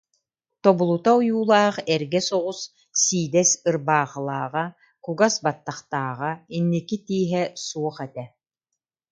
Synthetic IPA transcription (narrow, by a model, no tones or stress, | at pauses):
t̪ɔbulˠut̪aujuːlˠaːχɛɾɡɛsɔʁus | siːd̪ɛsɯɾbaːχɯlˠaːʁa | kuɡasbat̪ːaχt̪aːʁainːikit̪iːɦɛsuɔχɛt̪ɛ